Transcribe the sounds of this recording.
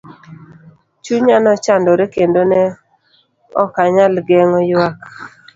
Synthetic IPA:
t͡ʃuɲanɔt͡ʃandɔɾekendonɛ | ɔ̰kaɲalɡɛŋɔjwak

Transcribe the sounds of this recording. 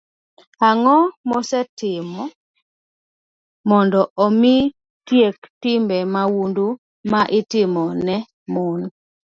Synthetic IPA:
aŋɔmɔsɛtɪmɔ | mɔndɔʔomi | tjektɪmbɛmawundu | maʔɪtɪmɔnnɛ | mʊn

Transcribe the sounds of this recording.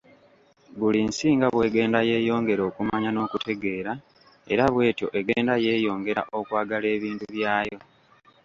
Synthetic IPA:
βulinsiːŋɡaβwe̞ːɡe̞ːndaje̞ːjo̞ːŋɡe̞ɾo̞ːkumaɲano̞ːkutʰe̞ɡe̞ːɾa | e̞̰ɾaβwe̞ːtjo̞ʔe̞ɡe̞ːndaje̞ːjo̞ːŋɡe̞ɾaʔo̞kwaːɡale̞ːβiːntuβjaːjo̞

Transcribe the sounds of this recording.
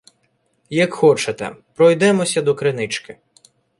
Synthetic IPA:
jɐkxɔt͡ʃet̪ɛ̰pɾɔjd̪ɛmɔsʲɐd̪ɔkɾenɪt͡ʃkɪ

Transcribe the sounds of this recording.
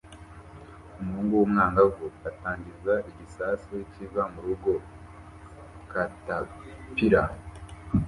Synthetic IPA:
umhuːŋɡuwumŋaːŋɡavuataːɲɟizaiɟisasiwicivamuɾuɡo̞ | katapiɾa

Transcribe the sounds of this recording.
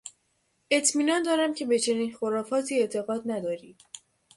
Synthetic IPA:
ʔe̞t̪ʰmiːnɒːnd̪ɒːɾæmcʰe̞be̞t͡ʃʰe̞niːnxoɾɒːfɒːt̪ʰiːet̪ʰe̞ɣɒːd̪næd̪ɒːɾiːd̪̥

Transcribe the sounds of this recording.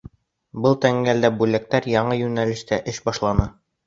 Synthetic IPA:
bɤlˠt̪æŋɡæld̪æbʉlæk̚t̪æɾjɑɴɤjʉnælɘ̆ʃt̪æʔɘʃbɑʃlˠɑnɤ

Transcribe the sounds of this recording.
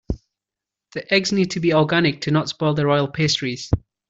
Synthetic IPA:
ðiʔɛɡznid̚tʰəbiɔɹɡanɪk̚tʰənɔtspɔɪlˠðəɹɔɪəlˠpʰestɹiz̥

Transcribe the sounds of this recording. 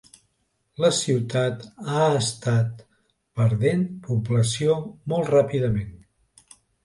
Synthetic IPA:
ləsiwt̪at̪aəst̪at̪̚ | pəɾðenpubləsiomɔlˠt̪rapiðəmen

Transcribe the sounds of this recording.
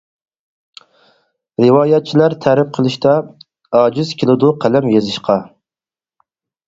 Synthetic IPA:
ɾɨwɑːjɛt̪̚t͡ʃʰilæɾt̪ʰæɾɪp̚qʰəlˠɨʃt̪ʰɑ | ɑːd͡ʒyzkʲilˠɪd̪ʊqʰælɛmjezɪʃqʰɑ

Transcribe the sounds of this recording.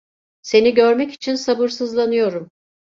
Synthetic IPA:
se̞niɟøɾmɛci̥t͡ʃʰinsabɯɾsɯzlˠanɯjo̞ɾum

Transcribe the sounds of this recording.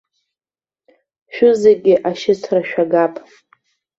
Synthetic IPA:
ʃᶣʊzeɡʲɪʔaʃɪt͡sʰraʃᶣaɡapʼ

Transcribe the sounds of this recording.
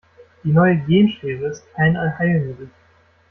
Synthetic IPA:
d̥iːnɔʏəɡeːmʃeːʁəstʰaɪnanhaɪlnədɪ

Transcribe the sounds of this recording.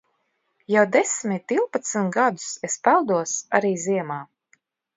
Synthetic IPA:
jawd̪esmʲit̪ːilˠpat̪sint̪ɡad̪u̥sespalˠd̪uɔsa̰ɾiːziɛmaː

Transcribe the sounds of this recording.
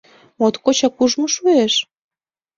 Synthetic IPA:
mot̪kot͡ɕɑkuʒmoʃueʃ

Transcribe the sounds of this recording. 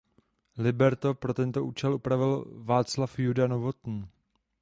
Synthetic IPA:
lɪbɛɾt̪o̞pɾo̞t̪ɛnt̪o̞ʔuːt͡ʃɛlʔupɾavɪlvaːt͡slafjudanovo̞t̪n̩

